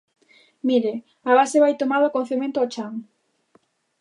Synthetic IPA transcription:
miɾe | aβaseβajt̪omaðoakon̟θemẽnt̪oɔt͡ʃaŋ

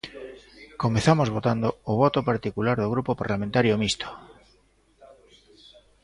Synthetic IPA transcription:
komeθamozβot̪and̪ooβ̞ot̪opaɾt̪ikulaɾðoɣɾupopaɾlamẽnt̪aɾjomist̪o̥

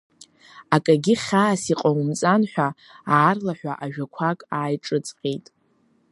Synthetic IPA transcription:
akʼaɡʲiχʲaːsiqʼawmt͡sʼanħʷᶣa | aːrlaħʷᶣa̰ʔaʒᶣakʷʰakʼaːjʈ͡ʂʼɨt͡sʼqʲʼejtʼ

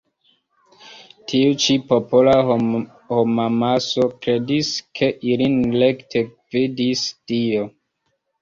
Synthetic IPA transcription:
tʰiut͡ʃipopola | homamaso̞kɾediskʰe̞ʔilinlektʰe | vidistio

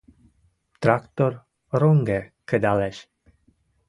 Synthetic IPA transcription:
t̪ɾakt̪or | roŋɡekəd̪aleʃ

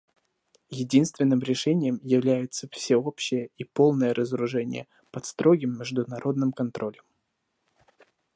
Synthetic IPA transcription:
jɪdʲinst̪vʲɪnːɨmɾʲɪʂɛnʲɪjəmjɪvlʲæjʊt̪səfsʲɪo̞pɕːɪjəipo̞lˠnəjəɾʔəzəɾʊʐɛnʲɪ̰jə | pɐt̪st̪ɾʔo̞ɡʲɪmːʲɪʐd̪ʊnɐɾʔo̞d̪̚nɨmkɐnt̪ɾʔo̞lʲəm

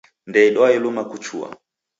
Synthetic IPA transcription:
ndɛiɗɔajɛlumakut͡ʃua̰

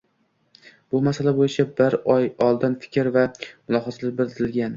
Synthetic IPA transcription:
b̥ʊmasalabojɪt͡ʃʰabɪɾɒjɒlˠd̪ɪnfɪ̥kʲʰɾvamʊlˠɒɦɒt̪ʰlɪbɪɾd̪ɪzɪlɡʲan

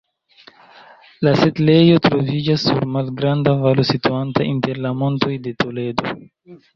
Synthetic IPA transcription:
lase̞tle̞jo̞tɾo̞vid͡ʒasːuɾmalɡɾandavalosituantainte̞ɾlamo̞nto̞jde̞to̞le̞do̞̰

